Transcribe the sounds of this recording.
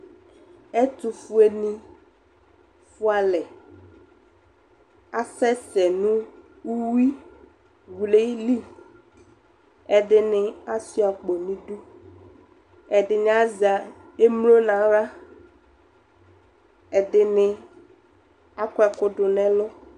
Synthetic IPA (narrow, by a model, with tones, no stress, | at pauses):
ɛ˦t̪u˨fu˦e˨nĩ˦ | fʊ˦a˨lɛ˨ | a˦sɛ˦sɛ˨nũ˦ | u˦wi˦ | wu˨le˦i˦li˦ | ɛ˨ɖɪ˦nɪ̃˦a˦si˦a˨k͡po˨nĩ˦ɖu˦ | ɛ˨ɖɪ˨ɲã˦zi˨a˨ | e˦mlo˦nã˨ɾa˦ | ɛ˨ɖɪ˨nɪ˦ | a˦kɔ˦ɛ˨kʊ˦ɖʊ˨nɛ̃˦lɔ˦